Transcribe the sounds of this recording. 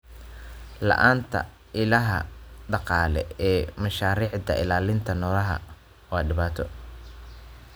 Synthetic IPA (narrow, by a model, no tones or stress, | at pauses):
lɐ̰ʔaːnt̪ʰɐ̰ | ɪlɐɦɐ̰ɖɑqɑːlɛ̰ɛːmɐʃaːɾiːʕd̪ɐʔɪlaːlɪnt̪ʰɐnɔːlɐɦɐ̰ | wɑːɖɪβaːt̪ʰɔ